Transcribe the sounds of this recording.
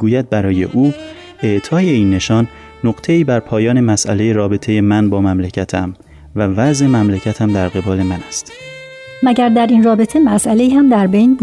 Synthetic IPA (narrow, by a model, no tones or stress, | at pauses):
ɡuːjæd̪̚bæɾɒːje̞̰ʔuː | eʔt̪ʰɒːjeiːnːe̞ʃɒːnː | oɡt̪ʰe̞iːbæɾpʰɒːjɒːne̞mæsʔæ̰le̞jeɾɒːbe̞t̪ʰe̞je̞mænbɒːmæmlecʰæt̪ʰæm | vævæzʔemæmlecʰæt̪ʰæmd̪æɾɢe̞bɒːle̞mænæst̪ | mæɟæɾd̪æɾinrɒːbe̞t̪ʰe̞mæsʔæle̞iːhæmd̪æɾbejnb